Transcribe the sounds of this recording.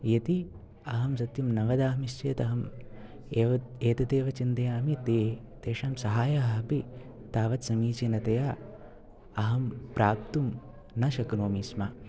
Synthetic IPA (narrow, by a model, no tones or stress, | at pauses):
jɐt̪i | ɐɦɐmsɐt̪jumnɐʋɐd̪aːɦmist͡ʃeːt̪ɐɦɐm | eʋɐeːt̪ɐt̪eːʋɐt͡ʃint̪ɐjaːmit̪eː | t̪eːʃaːmsɐɦaːjɐɦɐpi | t̪aːʋɐt̪sɐmiːt͡ʃenɐt̪ɐjaː | ɐɦɐmpɾaːp̚t̪um | nɐʃɐknoːmiːsma